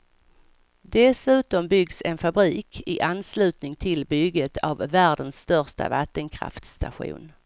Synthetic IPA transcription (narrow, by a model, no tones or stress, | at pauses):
d̪ɛsʉ̟ːt̪ɔmbʏɡsɛnfabɾiːkɪʔanːslʉ̟ːt̪nɪŋt̪ʰɪlbʏɡət̪ʰavːæːɖənsːt̪œʁʂʈa̰vat̪ːənkʰɾa̰ft̪st̪a̰ɧṵːn